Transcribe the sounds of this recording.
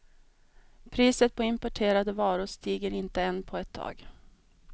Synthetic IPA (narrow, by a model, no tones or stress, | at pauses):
pʰɾiːsət̪̚pʰɔɪmpɔʈʰeːɾad̪əvɑːɾʊʂt̪iːɡəɾɪnt̪əɛnːpʰɔɛt̪ʰːɑ̰ːɡ